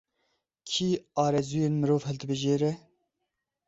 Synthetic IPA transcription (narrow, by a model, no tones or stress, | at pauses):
kʰiːɑːɾɛzuːjeːnmɨɾoːvhɛlt̪bɨʒeːɾɛ